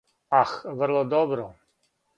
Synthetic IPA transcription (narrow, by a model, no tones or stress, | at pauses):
axvərlˠɔd̪ɔbɾɔ